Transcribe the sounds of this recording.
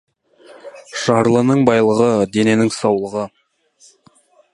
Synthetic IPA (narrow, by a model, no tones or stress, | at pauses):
ʃɑɾlˠənəɴbɑjlˠəʁəd̪e̞ne̞nɪŋsɑwlˠəʁə